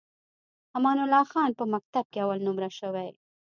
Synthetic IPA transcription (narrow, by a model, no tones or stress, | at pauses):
hamɑnʊlɑxɑnpəmak̚t̪ab̚keawalnʊmɾaʃəwej